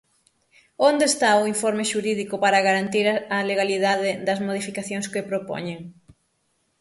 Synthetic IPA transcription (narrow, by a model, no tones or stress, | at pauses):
ond̪eːst̪aʊiɱfoɾmeʃuɾiðikʊpaɾɐɣaɾant̪iɾɐleɣaliðaðɪðɐzmoðifikaθjoŋskepɾopo̰ɲeŋ